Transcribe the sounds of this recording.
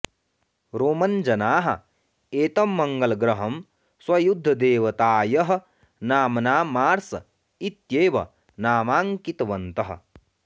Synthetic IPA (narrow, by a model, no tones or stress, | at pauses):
ɾoːmɐnd͡ʒɐnaːɦɐ̰ | eːt̪ɐmːɐŋɡɐlɐɡɾɐɦɐm | swɐjud̪ʱːɐd̪eːʋɐt̪aːjɐɦɐ̆ | naːmɐnaːmaːɾsɐ | it̪jeːʋɐ̰ | naːmaːŋkit̪ɐʋɐnt̪ɐɦɐ̰̆